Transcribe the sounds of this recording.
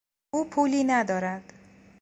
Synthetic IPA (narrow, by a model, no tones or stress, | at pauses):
uːpʰuːliːnæd̪ɒːɾæd̪̥